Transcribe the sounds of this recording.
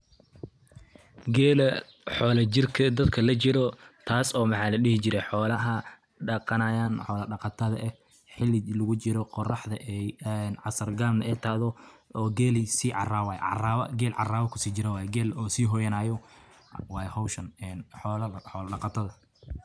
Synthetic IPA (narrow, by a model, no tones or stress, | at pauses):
ɡɛːlɐ | ħɔːlɐt͡ʃɪrkʰɐd̪ɐd̪kʰɐlɐt͡ʃɪɾɔt̪ʰaːsɔːmɑħɑːlɐɗɪhɪt͡ʃɪɾɛħɔːlɐɦɐ | ɖɑqɑnɐjaːnħɔːlɐɖɑqɑt̪ʰɐðɐʔɛ | ħɪlːɪlʊɣʊt͡ʃɪɾɔqɔrɑħd̪ɐʔɛjɛnʕɑsɐrɡaːmnɐʔɛːt̪ʰɐðɔɔːɡɛːlɪsiːʕɑraːwaːj̰ʕraɐɡɛːlʕɑ̰raːβɐkʰʊ̥siːt͡ʃɪɾɛwɑːjɛɡɛːlɔːsiːɦɔjɐnaːjɔ | wɑːjhɔwʃɐnɛnħɔːlɐħɔːlɐɖɑqɑt̪ʰɐðɐ